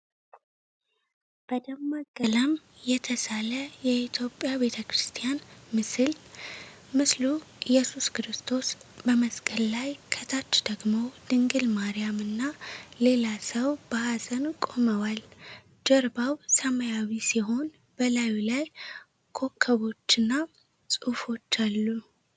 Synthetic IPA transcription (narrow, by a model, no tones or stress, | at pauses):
b̥əd̪əmːaɡələm | jɛt̪ʰəsaləjɛit̪ʰjo̞pʼːjabe̞t̪ʰəkɾɨst̪ʰʼijanmɨsɨl | mɨslujɛsuskɨɾɨst̪ʰo̞s | bəməskʼəlːajkʰət̪ʰat͡ʃːd̪̥əɡmo̞d̪̥ɨŋɡɨlmaɾijamɨnːale̞lasəwb̥əhazənkʼo̞məwal | d͡ʒəɾbawsəməjawisiɦo̞n | b̥əlajlaj | kʰo̞kʰːəβo̞t͡ʃːɨnːa | sʼufo̞t͡ʃːalːu